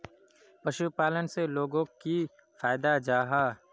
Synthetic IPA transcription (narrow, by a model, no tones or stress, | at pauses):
pəʃupaːlənseloːɡõki | faːɪd̪ad͡ʒaːɦaː